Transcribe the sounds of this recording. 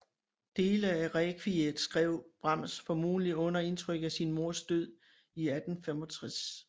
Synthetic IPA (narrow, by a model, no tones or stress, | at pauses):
d̥e̝ːləæʁɛkʰʋied̥sɡ̥ʁɛʊ̰b̥ʁɑm̰sfɒ̽mṵːliɔ̽nɐe̝nt͡sʰʁœɡ̥æsinmo̝ɐ̰sd̥øð̞̰ˠ | iæd̥n̩femɒ̽t͡sʰʁas